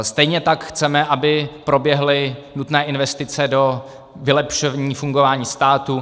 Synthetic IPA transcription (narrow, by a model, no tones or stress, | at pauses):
st̪ɛjɲɛt̪akxt͡sɛmɛʔabɪpɾo̞bjɛɦlɪnut̪nɛːʔɪnvɛst̪ɪt͡sɛdo̞ | vɪlɛpʃovɲiːfuŋɡovaːɲiːst̪aːt̪u